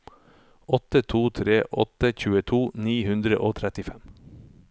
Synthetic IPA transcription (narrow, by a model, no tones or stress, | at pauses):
ʔɔt̪ət̪ʰuːt̪ʰɾeːʔɔ̰t̪əçʉːət̪ʰuːniːhʉnd̪ɾə̰ʔoːt̪ʰɾɛt̪ɪfɛm